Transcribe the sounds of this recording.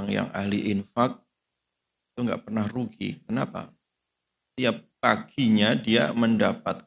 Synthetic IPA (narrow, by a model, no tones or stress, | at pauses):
aŋja̰ŋa̰hliʔɪnfak̚ | it̪uŋɡa̰ʔpərnahruɡḭkənapa̰ | ət̪iap̚kaɡ̥iɲadia̰məndapat̪̚